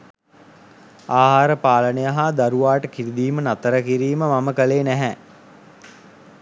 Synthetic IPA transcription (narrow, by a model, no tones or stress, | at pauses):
aːɦaːɾəpaːlənejəɦad̪aɾuʋaːʈəkiɾid̪iːmənat̪əɾəkiɾiːməmaməkəleːnæɦɛ